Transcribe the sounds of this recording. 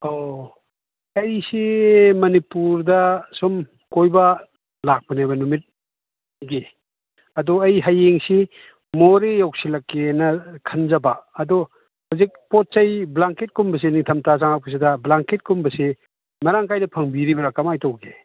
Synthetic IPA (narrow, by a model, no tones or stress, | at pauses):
o | ɐjsemɐnipuɾdɐsɔm | kojbɐ | lak̚pɐnabɐnumit̚ | ɡe | ɐdɔɐjɦɐjːeŋsi | moɾejaw̚silɐkːenɐkʰɐnzɐbɐːdɔ | huzik̚pɔt̚t͡ʃɐjblaŋket̚kumbɐs̬eniŋtʰɐmtʰasaŋapʰus̬idɐblaŋket̚kumbɐse | mɐɾaŋkʰajnɐpʰɐŋbiɾibɐɾakːamajtowɡe